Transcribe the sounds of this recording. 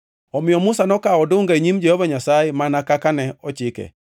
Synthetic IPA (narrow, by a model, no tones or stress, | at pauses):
ɔmɪɔmʊsanɔkaɔdʊŋɡaeɲimd͡ʒɛhɔvaɲasaemanakakanɛɔt͡ʃɪkɛ̰